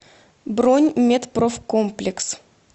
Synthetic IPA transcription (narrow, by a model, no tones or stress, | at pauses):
bɾonʲmʲet̪profkomplʲɪks